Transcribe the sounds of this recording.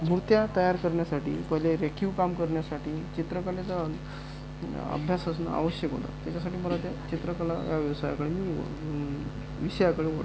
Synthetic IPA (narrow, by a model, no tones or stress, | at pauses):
muɾt̪jat̪əjaɾkəɾɳjasaʈḭːpəɦileɾekʰuʋkamkəɾɳjasaʈiːt͡ɕit̪ɾəkəlet͡sə | ə̰bʱjasəs̬na̰a̰ʋəɕjəkɦo̰t̪a̰t̪jat͡ɕasaʈiːməlat̪jat͡ɕit̪ɾəkəlajaʋjɛʋsaja̰kəɭemiː | ʋisəjakəɭeʋo̰ʈ